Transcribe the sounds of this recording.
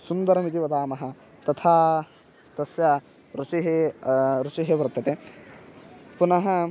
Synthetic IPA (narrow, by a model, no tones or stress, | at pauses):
sund̪ɐɾɐmit̪̬iʋɐd̪aːmɐɦɐ̆ | t̪ɐt̪ʰaː | t̪ɐsjɐ | ɾut͡ʃiɦeɾut͡ʃiɦebɐɾt̪ːɐt̪e | punɐɦɐ